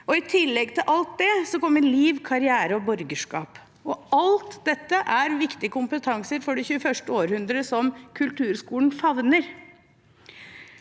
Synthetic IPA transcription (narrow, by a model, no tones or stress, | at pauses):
ɔɪt̪ʰɪlːɛɡt̪ʰɪlʔɑlt̪̚d̪ɛsɔkɔmːəɾliːʋkʰɑɾɪæːɾəɔbɔɾɡəʂkɑ̰ːp | ɔɑlt̪d̪ɛt̪ːəʔæɾʋɪkt̪ɪəkʰʊmpət̪ʰɑŋsəɾfɔɖɛçʉːəfœʂʈəoːɾhʉnd̪ɾəsɔmkʰʉlt̪ʉːɾskuːln̩fɑʋnəɾ